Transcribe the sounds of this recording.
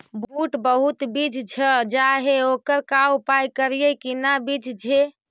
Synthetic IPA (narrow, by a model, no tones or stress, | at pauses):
bbuʈbəɦut̪bid͡ʒt͡ʃʰəd͡ʒaɦeokəɾkawpajkəɾijekinabid͡ʒt͡ʃʰe